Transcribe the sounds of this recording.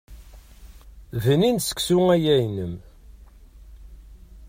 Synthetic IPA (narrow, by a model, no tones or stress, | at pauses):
vəninsə̥ksuŋæjæjnəm